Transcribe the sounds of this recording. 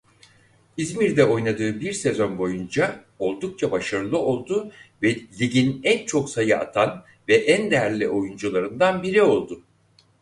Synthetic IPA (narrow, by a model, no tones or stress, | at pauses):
izmiɾd̪ɛo̞jnad̪ɯːbiɾse̞zo̞nbo̞jund͡ʒa | o̞lˠd̪uk̚t͡ʃʰabaʃaɾɯlˠɯo̞lˠd̪uvɛlʲiɟinɛnt͡ʃʰo̞ksajɯa̰t̪ʰan | vɛʔɛnd̪ɛæɾlʲiʔo̞jund͡ʒulˠaɾɯnd̪anbiɾio̞lˠd̪ʊ